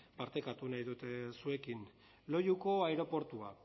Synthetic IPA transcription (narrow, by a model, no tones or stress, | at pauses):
paɾt̪e̞kat̪unajðut̪esue̞kin | lo̞juko̞aeɾo̞po̞ɾt̪ua